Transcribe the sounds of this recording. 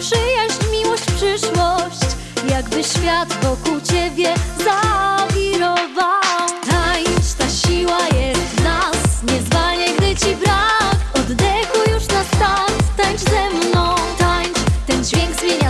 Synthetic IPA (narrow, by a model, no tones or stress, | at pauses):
pʂɘjaɕt͡ɕmʲiwɔɕt͡ɕpʂɘʂwɔɕt͡ɕ | jaɡbɘɕfʲjat̪vɔkuwt͡ɕɛbʲjɛzavʲiɾɔvawt̪ajt͡ʂt̪aɕiwajɛst̪nasɲɛzvalɲɛɡd̪ɘt͡ɕibɾakɔd̪ːɛxujuʂnast̪at̪t̪aɲʐzɛmnɔ̃t̪aɲt͡ʂt̪ɛnd͡ʑvʲjeŋɡzmʲjeɲa